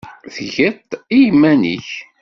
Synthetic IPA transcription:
θʝət̪ˤijəmːænḭç

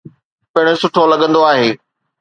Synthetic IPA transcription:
pɐɽ̃esʊʈʰolɐɠə̃nd̪oaːɦeː

